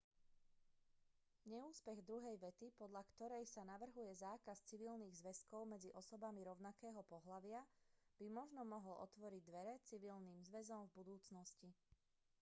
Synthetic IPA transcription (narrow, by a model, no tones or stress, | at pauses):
ɲɛuːspɛɣd̪ɾuɦɛjʋɛt̪ipɔd̪ʎakt̪ɔɾɛjsanaʋr̩ɦujɛzaːkast͡siʋilniːɣzʋɛskɔʊmɛd͡ziʔɔsɔbamiɾɔʊnakɛːɦɔpɔɦlaʋɪab̥imɔʒnɔmɔɦɔlɔ̰t̪ʋɔɾiɟ̚d̪ʋɛɾɛt͡siʋilniːmzʋɛzɔmvbud̪uːt͡snɔsci